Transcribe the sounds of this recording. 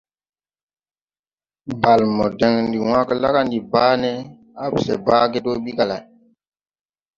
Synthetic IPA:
ba˨lmo˨de˦ŋndi˨wã˦kə˦la˦ka˦ndi˨baː˦nɛ˦ | a˦bsḛ˨ba˦ke˦to˦ɓi˦ka˨la˨j

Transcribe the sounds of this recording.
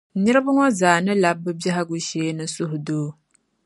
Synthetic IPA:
ɲɨ˦ɾɨ˦ba˦ŋɔ˦zaː˨nɨ˦la˨bːɨ˦bjɛ˦ɦa˦ɡu˦ʃeː˦nɨ˦sʊ˦ɦʊ˨doː˦

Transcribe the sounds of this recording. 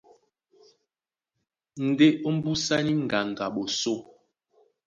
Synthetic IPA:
n̩˨de˦ʔo˦m̩˦bu˦sa˦ni˦ŋ̩˨ɡa˨ŋ˨ɡa˨ɓo˨so˦˨

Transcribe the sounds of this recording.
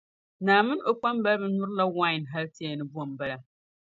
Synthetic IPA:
naː˨mɨ˦no˨k͡pa˦mba˦lbɛ˨nʊ˦ɾla˦wa˦ɪ˨nɦa˦lti˦ɛ˨nɨ˦bu˦ɔ˨mba˦la˨

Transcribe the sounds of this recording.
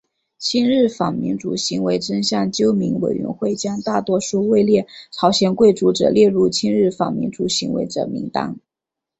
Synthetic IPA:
t͡ɕʰi˥nɻɻ̩˥˩fɑ˨˩ŋmḭ˧˥nʈ͡ʂṵ˨˩ɕi˧˥ŋwe˧˥ɪʈ͡ʂə˥nɕjɑ˥˩ŋt͡ɕjo˥ʊmi˧˥ŋwe˨˩ɪɥɛ̰˧˥nxwe˥˩ɪt͡ɕjɑ˥ŋt̪a˥˩t̪wɔ˥ʂu˥˧we˥˧ɪljɛ˥˩t͡sʰɑ˧˥ʊɕjɛ˧˥nkwe˥˩ɪʈ͡ʂu˧˥ʈ͡ʂɤ̰˨˩ljɛ˥˧ɻu˥˩t͡ɕʰi˥nɻɻ̩˥˩fɑ̰˨˩ŋmḭ˧˥nʈ͡ʂu˧˩ɕi˧˥ŋwḛ˧˥ɪʈ͡ʂɤ̰˨˩mḭ˧˥ŋt̪ɑ̰˥ŋ

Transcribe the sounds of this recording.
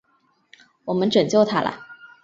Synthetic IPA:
wɔ˨˩mə˦nʈ͡ʂə˨˩ŋt͡ɕjo˥˩ʊt̪ʰa̰˥lə̰˨˩

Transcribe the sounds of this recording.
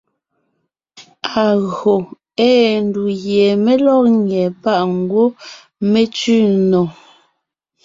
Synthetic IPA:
a˨ɣo˨ | ɛː˦n˨du˨ɣjɛ˨me˦lɔ˦kŋɛ˨pa˦˨ʔŋ˦ɡwo˦ | me˦t͡ʃʉ˦˨nɔ˨

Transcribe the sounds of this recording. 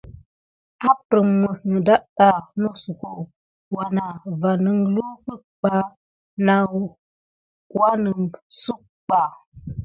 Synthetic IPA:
a˦pɾə˨ŋmːə˨snə˨da˦ɗa˨no˦su˨ko˨ | wa˨na˨va˨nə˦ŋlu˦kə˦ | k͡pa˦ | na˨ | wa˦nə˨ŋsu˦k | k͡pa˨

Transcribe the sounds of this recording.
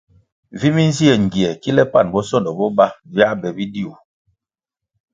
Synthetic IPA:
vi˦mi˦n˦zi˦ɛ˨ŋ̩˨ɡi˨ɛ˨ki˦lɛ˦pa˦˨nbɔ˦sɔ˦dɔ˨bɔ˦ba˦vja˦bɛ˨bi˦di˦o˨

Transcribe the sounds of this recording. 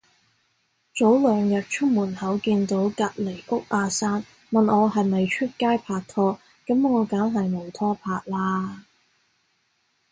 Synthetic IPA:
t͡so˨˥wlœː˨ŋjɐ˨˩t̚t͡ʃʰʊ˥k̚muː˨˩nhɐ˨˥wkiː˧nt̪o˨˥wkaː˧t̚le˨˩jʔʊ˥k̚ʔaː˧saː˥n | mɐ˨nʔɔː˨˧ɦɐ˨˩jmɐ˨jt͡ʃʰɵ˥t̚kaː˥jpʰaː˧k̚t̪ʰɔː˥ | kɐ˨˥mŋɔː˨˧kaː˨˥nɦɐ˨jmo˨˩wt̪ʰɔː˥pʰaː˧k̚laː˥

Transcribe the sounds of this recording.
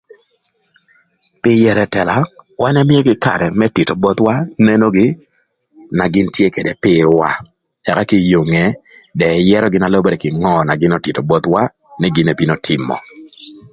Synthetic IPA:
pɪ˦jɛ˨ɾɛ˨tɛ˨la˨wa˦nɛ˦mɪ˦jo˦ɡɪ˦ka̰˨ɾɛ˨mɛ˦ti˨to˨bɔ˦t̪wa˦ne˦no˦ɡɪ˦ | na˨ɡɪ˦ntje˦ke˨de˨pɪ˦ɾwa˦ | ɛ˨ka˦kɪ˦jo˨ŋɛ˦ | dɛ˨jɛ˦ɾɔ˦ɡɪ˦na˨lɔ˦bo˦ɾɛ˨kɪ˨ŋɔ˦˨na˨ɡɪ˦nɔ˦tɪ˨to˨bɔ˦t̪wa˦ | nɛ˦ɡɪ˦ne˨bi˦no˨tʰɪ˨mɔ̰˨

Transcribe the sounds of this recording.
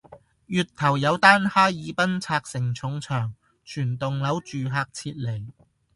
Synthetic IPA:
jyː˨t̚t̪ʰɐ˨˩wjɐ˨˧wt̪aː˥nhaː˥jjiː˨˧˥pɐ˥nt͡sʰaː˧k̚sɪ˨˩ŋt͡sʰʊ˨˧˥ŋt͡sʰœː˨˩ŋ | t͡ʃʰyː˨˩nt̪ʊ˨ŋlɐ˨˥wt͡ʃyː˨ɦaː˧k̚t͡sʰiː˧t̚le˨˩j

